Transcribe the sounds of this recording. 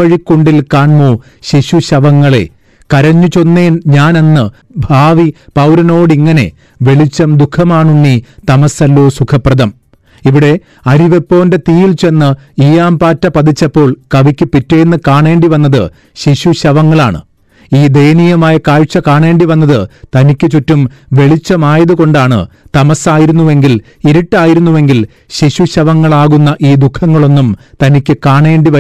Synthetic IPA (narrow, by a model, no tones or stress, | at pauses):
ɐɻikːoɳɖilkaːɳmoː | ɕiɕuɕɐʋɐŋːɐɭe̞̰ | kɐɾɐɲːut͡ɕo̞nːeːnɲaːnenːɨ | bʱaːʋipɐwɾɐno̞ːɽiŋːɐne̞̰ | ʋe̞ɭit͡ɕːɐmd̪ukʰːɐmaːɳuɳːit̪ɐmɐsɐlːoːsukʰɐprɐðɐm | iʋiɽe̞ | ɐɾiʋe̞pːo̞ːnde̞t̪iːjilt͡ɕe̞nːɨiːjaːmpaːtːɐpɐd̪it͡ɕːɐpːo̞ːɭkɐʋikʲːɨpitːejenːɨkaːɳe̞ːɳɖiʋɐnːɐðɨ | ɕiɕuɕɐʋɐŋːɐɭaːɳɨ̰ | iːd̪ejnijɐmaːjɐkaːɻt͡ɕːɐkaːɳe̞ːɳɖiʋɐnːɐðɨt̪ɐnikʲːɨt͡ɕutːumʋe̞ɭit͡ɕːɐmaːjɐðuko̞ɳɖaːɳɨ̰t̪ɐmɐsaːjiɾunːuʋe̞ŋɡil | iɾuʈːaːjiɾunːuʋe̞ŋɡil | ɕiɕuɕɐʋɐŋːɐɭaːɣunːɐʔiːd̪ukʰːɐŋːɐɭo̞nːumt̪ɐnikʲːɨkaːɳeːɳɖiʋɐ